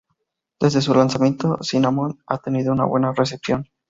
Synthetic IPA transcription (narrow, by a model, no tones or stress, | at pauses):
d̪̥e̞zðe̞s̬ulansamje̞nt̪osinamona̰t̪e̞niðouna̰βwe̞nare̞s̬e̞psjo̞n